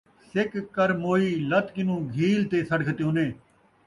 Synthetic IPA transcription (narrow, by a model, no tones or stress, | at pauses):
sɪkːəɾmoːiːlət̪kɪnũːɡʱiːlt̪eːsəɽkʰt̪eoneː